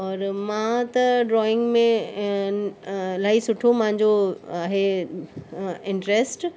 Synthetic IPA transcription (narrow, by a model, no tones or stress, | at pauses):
ɔːɾmãt̪ɐɖɾɔːɪ̃ŋɡmẽ | laːisʊʈʰomɐ̃ɦɪ̃ɲd͡ʑoaːɦe | ɪ̃ɳʈɾesʈ